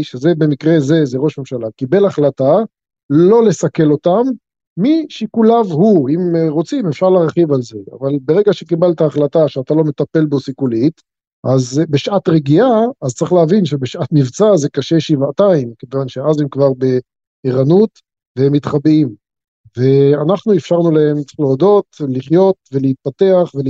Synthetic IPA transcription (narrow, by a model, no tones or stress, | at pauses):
ʃeze̞be̞mikʁe̞ze̞zeʁo̞ʃme̞mʃalakibe̞laχlata | lo̞le̞sake̞lo̞t̪amː | iʃikulavhuimʁo̞t͡simefʃaʁlaʁχivalze̞a̰valbeʁe̞ɡaʃekibalt̪aːχlataʃeat̪alo̞me̞t̪ape̞lbosikulit̪ | ʔazbeʃʔat̪ʁeɡiaːzt͡saʁiχleavinʃebeʃʔat̪mivt͡saze̞kaʃe̞ʃivataimkevanʃeazemkvaʁbe̞ | eʁanut̪ | vehemːit̪χabim | ve̞anaχnuefʃaʁnulae̞mleod̪o̞t̪liχjo̞t̪ve̞leit̪̚pat̪e̞aχve